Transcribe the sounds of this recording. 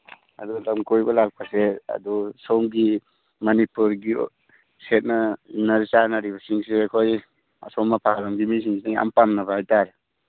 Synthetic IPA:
ɐ̰dulɐmkojbɐlak̚pʰaseɐ̰dusomɡi | mɐnipuɾɡi | set̚nɐnɐɾt͡ʃanaɾibɐsiŋseakʰoj | a̰somːapʰaɾamɡimis̬iŋsinaa̰mpamnɐbahajtaɾe

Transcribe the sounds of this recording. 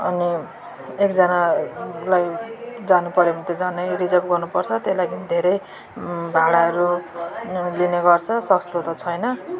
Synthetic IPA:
ʌ̰ni | ekd͡zʌnalajd͡zanupʌɾjobʱʌnt̪od͡zʌnʌjrid͡zakoɡʌrnupʌrt͡sʰʌt̪elaɡind̪ʱeɾʌj | bʱaɽaɦʌɾu | lineɡʌrt͡sʰʌsʌst̪ot̪ʌt͡sʰʌjnʌ

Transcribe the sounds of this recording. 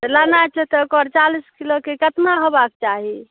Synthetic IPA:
t̪əlanat͡ʃʰɛt̪əkɔɾt͡ʃaliskilokekət̪maɦobak̚t͡ʃaɦi

